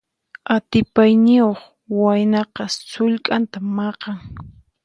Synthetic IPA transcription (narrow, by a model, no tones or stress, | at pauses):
at̪ɪpajnɪoχ | wajnɑqɑsʊʎkʼant̪amɑqɑŋ